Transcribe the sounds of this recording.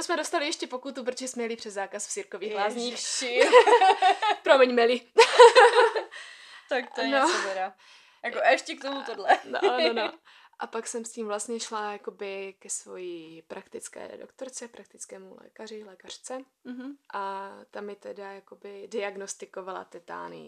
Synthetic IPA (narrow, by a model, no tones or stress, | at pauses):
osmɛdo̞st̪alɪjɛʃcɛpo̞kut̪up̬ɾot̪oʒɛsmɛjɛlɪpr̥ɛzzaːkasft͡siːɾkovɲiːɣɦlaːzɲi | pɾomɛɲmɛli | t̪akt̪onot̪ɛda | jakoɛʃcɛkt̪omuodlɛnoono | ʔapaksɛmsciːmvlast̪ɲɛʃlajako̞bɪkɛsvo̞̰jipɾʔakt̪ɪt͡skɛ̰ːdo̰kt̪oɾt͡sɛpɾak̚t̪ɪt͡skɛːmulɛ̰ːkarɪlɛːkar̝̥t͡sɛ | ɦʔat̪amjɛt̪ɛdajakobɪdɪaɡnost̪ɪkovala̰t̪ɛt̪a̰ːlnḭ